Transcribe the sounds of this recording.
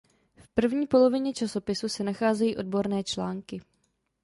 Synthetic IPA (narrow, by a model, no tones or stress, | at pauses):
fpr̩vɲiːpo̞lo̞vɪɲɛt͡ʃaso̞pɪsusɛnaxaːzɛjiːʔo̞d̚bo̞ɾnɛːt͡ʃlaːŋkɪ